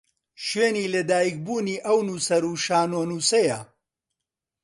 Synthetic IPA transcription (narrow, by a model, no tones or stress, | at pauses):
ʃweːniːlɐd̪aːjik̚buːniːʔɐwnuːsɐɾuːʃaːnoːnuːsɐja